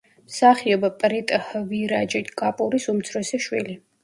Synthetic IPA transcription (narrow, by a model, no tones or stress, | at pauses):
msaχiɔbapʼɾit̪ʼhviɾad͡ʒit̪ʰɡʼapʼuɾisumt̪sʰɾɔsɛʃwḭli